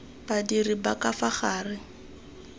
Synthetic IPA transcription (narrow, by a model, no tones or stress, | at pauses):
badiribakafaχaːrɪ